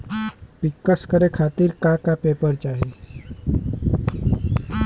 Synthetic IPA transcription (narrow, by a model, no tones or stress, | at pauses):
pikːəskəɾekʰat̪iːɾkakapepəɾt͡ʃaɦi